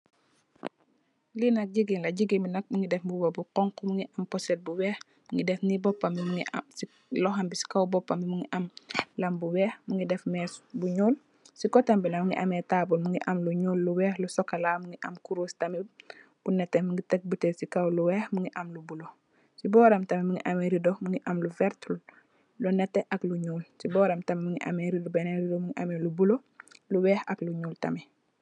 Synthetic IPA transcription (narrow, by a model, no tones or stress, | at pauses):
linɐk̚ɟiɡiŋlɐɟiɡiminɐk̚muŋɡidɛfbubobuqɔŋkɔmuŋɡiʔɐmpɔsɛt̚buwɛːx | muŋɡidɛfnibɔpːɐmbimuŋias | lɔxambisi̥kawbɔpːɐmbimuŋiʔɐmlɐmbuwɛːxmuŋɡidɛfmɛsbuɲuːl | sikɔtambinɐmuŋɡḭʔɐmɛtabulmuŋɡiʔɐmluɲuːlːuwɛːxlusɔkːɐlamuŋɡiʔɐmkuɾuːstɐmi | b̥unɛtːɛmuŋɡitɛk̚butesikɐwluwɛːxmuŋɡiʔɐmlubulo | sibɔːɾɐmtɐmimuŋɡiʔɐmeɾidomuŋɡiʔɐmluvɛɾtul | lunɛtːɛʔɐkluɲuːlsibɔːɾɐmtɐmɛmuŋɡiʔɐ̰meɾidobɛneɾidomuŋiʔɐmelubulo | luwɛːxɐkluɲuːltɐ̰mɛ